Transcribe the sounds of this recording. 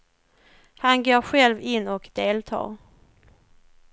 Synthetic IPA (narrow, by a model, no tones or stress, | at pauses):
hanɡoːɾɧɛlvɪnːɔkd̪eːlt̪ʰɑ̰ːɾ